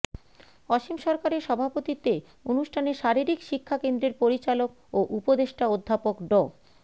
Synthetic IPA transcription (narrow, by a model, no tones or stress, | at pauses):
ɔʃimʃɔɾkaɾeɾʃɔbʱapot̪it̪e | unuʃʈʰaneʃaɾiɾikʃikʰːakend̪ɾeɾpoɾit͡ɕalok | oʔupod̪eʃʈaod̪ʱːapokɖɔ